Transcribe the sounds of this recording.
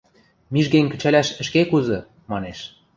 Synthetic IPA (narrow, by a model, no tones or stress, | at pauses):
miʒɡeŋʲkə̆t͡ɕælæʃə̆ʃkekuzɤ̆ | mɑneʃ